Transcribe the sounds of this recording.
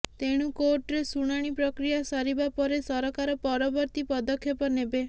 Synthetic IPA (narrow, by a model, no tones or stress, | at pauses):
t̪eɽ̃ukoɾʈɾesuɽ̃aɽ̃ipɾɔkɾijasɔɾibapɔɾesɔɾɔkaɾɔpɔɾɔbɔɾt̪ipɔd̪ɔkʰːjepɔnebe